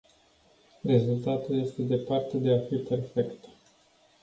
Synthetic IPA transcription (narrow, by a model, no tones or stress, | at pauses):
re̞zult̪at̪ulje̞st̪e̞d̪e̞part̪ed̪e̞afipe̞rfe̞kt̪